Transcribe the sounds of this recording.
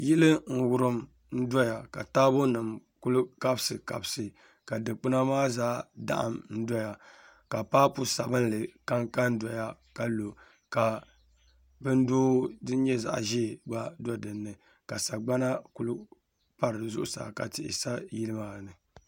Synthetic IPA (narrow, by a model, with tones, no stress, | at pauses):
ji˦lɨ˦ŋ̩˨wʊ˨ɾɨ˦m | n̩˦dɔ˦ja˨ka˨taː˦bo˦nɨ˨m | ku˦lʊ˦ka˦bsɨ˨ka̰˨bsɨ˨ | ka˨dɨ˨k͡pɨ˦na˦maː˦zaː˦da̰˦ʔa̰˨mn̩˦dɔ˦ja˨ | ka˨paː˦pu˦sa̰˨bɨ˦n˦lɨ˨ka˦ŋka˦n˦dɔ˨ja˦ka˨lo˨ | ka˨ | bɨ˦n˦doː˦dɨ˦ɲɛ˦za̰˨ʔʒiː˦˨ɡ͡ba˦dɔ˦dɨ˨nːɨ˨ | ka˨sa˨ɡ͡ba˦na˦ku˦lʊ˦ | pa˦ɾɨ˨zʊ̰˦ʔʊ˨sa̰˨ka̰˨tɪ̰˨ʔɪ̰˨sa˦ji˦lɨ˦maː˨nɨ˨